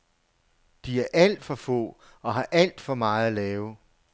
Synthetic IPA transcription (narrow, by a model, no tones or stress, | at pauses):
d̥iæɐʔæl̰d̥fɒ̽fɔ̰̽ː | ɒ̽ɦɑ̈ʔæl̰d̥fɒ̽mɑ̈ːð̩ˠælɛːʊ